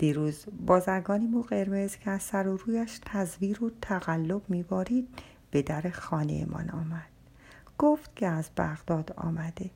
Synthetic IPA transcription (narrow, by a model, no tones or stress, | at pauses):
d̪̥iːɾuːzbɒːzæɾɡɒːnimuɢe̞ɾme̞zcʰeæzsæɾoɾuːjæʃt̪ʰæzviːɾot̪ʰæɣælːobmiːbɒːɾiːd̪̚ | b̥e̞d̪æɾexɒːnḛjḛmʔɒ̰nɒ̰ːmæd̪̥ | ɡ̥oft̪cʰeæzbæɣd̪̥ɒːd̪ɒ̰ːmæd̪̥e̞